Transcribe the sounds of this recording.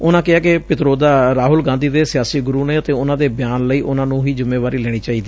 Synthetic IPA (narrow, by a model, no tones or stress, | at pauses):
ʊnãːkɪaːkepɪt̪ɾoːd̪aːɾaːɦʊlɡãːnd̪iːd̪eːsɪjaːsiːɡʊɾuːneːət̪eːʊnãːd̪eːbɪjaːnləiːʔʊnãːnũːɦiːd͡ʒʊmːeːʋaːɾiːlɛːɽ̃iːt͡ʃaːiːd̪iː